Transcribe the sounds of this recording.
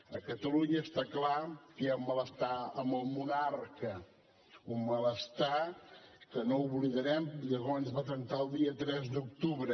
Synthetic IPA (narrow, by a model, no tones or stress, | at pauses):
əkət̪əluɲəːst̪aklakɛumːələst̪aəməlˠmunarkə | umːələst̪a | kənouβliðəɾɛmʎəɣ̞ɔnzβat̪ənt̪aəlˠd̪iət̪ɾɛzd̪uk̚t̪uβɾə